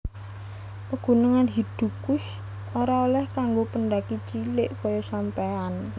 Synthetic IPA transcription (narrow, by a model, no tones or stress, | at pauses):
pəɡ̥ṳnəŋanɦid̪̥ṳkʊs | oɾaolɛhkaŋɡopənɖakit͡ʃilɪʔkɔjɔsampaan